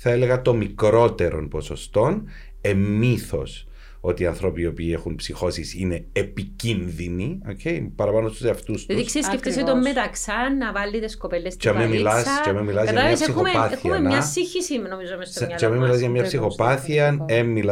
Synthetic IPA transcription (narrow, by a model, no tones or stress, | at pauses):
θɐele̞ɣɐt̪o̞mikɾo̞t̪e̞ɾo̞̰npo̞sost̪o̞n | e̞mːiθo̞̰s | o̞t̪iɐnθɾo̞piopiːexunpsixo̞sisine̞ːpicinðiniocʰejpɐɾɐpɐnosuseɐft̪ustɐt̪isksisceft̪est̪ommːet̪ɐksɐnːɐvɐlːit̪eskopelːest͡ʃeɐmemilɐst͡ʃeɐmemːilɐzjɐmɲɐsesixopɐθiɐmeɲɐsiçisimnomizomest͡ʃeɐmemilɐzʝɐmɲɐsixo̞pɐθiɐnemːil